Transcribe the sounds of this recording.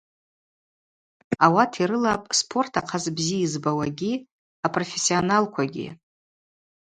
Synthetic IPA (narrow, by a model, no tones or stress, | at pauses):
awatʰiɾɨlapʼspʰo̞rtʰaqʰazbziizbawaɡʲi | apʼro̞fesːionalkʷʰaɡʲḭ